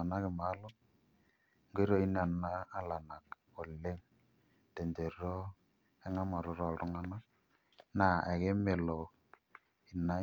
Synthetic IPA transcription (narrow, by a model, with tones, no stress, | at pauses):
a˨na˦kɪ˨ma˦lɔ˦ | ŋɡe˦ɾɔ˦i˦n˦a˨nːaː˦la˨na˨k | o˨le˦ŋ | te˨nde˨ɾɔ˦ | ɛ˦ŋa˦mɔ˨ɾʊ˨˦ɾɔ˦˨ɾʊ˦ŋa˦na˦ | na˨ɛ˨ke˦me˨lɔ˨ | i˨na˦